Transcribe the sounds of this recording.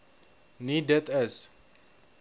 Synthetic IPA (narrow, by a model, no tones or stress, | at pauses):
nidət̪əs